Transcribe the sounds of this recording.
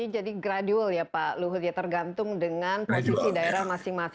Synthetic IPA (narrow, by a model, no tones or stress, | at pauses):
id͡ʒadiɡɾadualjapaluɦʊt̪̚jat̪ərɡant̪ʊŋdəŋanpɔsisidaeɾahmasɪŋma